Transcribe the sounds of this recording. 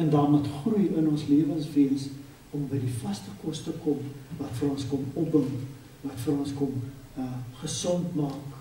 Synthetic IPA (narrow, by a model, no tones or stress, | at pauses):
ɛndɑːrmutχrujənɔnsliəvənsviəns | ɔmbəjdifɐstəkɔstəkɔmvɐtfəɾɔnskɔmɔpəm | vɐtfəɾɔnskɔm | χəsɔntmɑːk